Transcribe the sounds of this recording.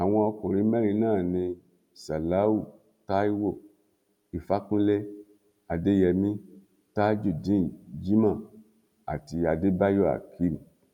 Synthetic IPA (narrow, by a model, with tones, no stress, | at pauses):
a˨w̃ɔ̃˧ɔ˧ko˨ɾi˨˦mɛ˦ɾi˧˦nãː˦˨nĩ˧ | sa˨la˨˦u˦˨ | ta˦i˦wo˦˨ | i˨fa˦kũ˦le˦ | a˨de˦jɛ˧mĩ˦ | ta˦d͡ʒu˦˨dĩ˨˦˨d͡ʒi˦mã˦˨ | a̰˨ti˧a˨de˦ba˦jɔ˦˨a̰˨kʰi˦m˨